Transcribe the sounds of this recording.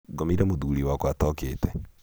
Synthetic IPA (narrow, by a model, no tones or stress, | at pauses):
ɡɔmiɾɛmoðuːɾiwakwatɔkeːtɛ